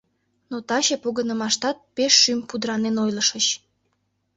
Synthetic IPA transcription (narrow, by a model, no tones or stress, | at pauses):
not̪ɑɕepoɣənə̆mɑʃt̪ɑt̪̚peʃːympud̪ɾɑnenojləʃət͡ɕ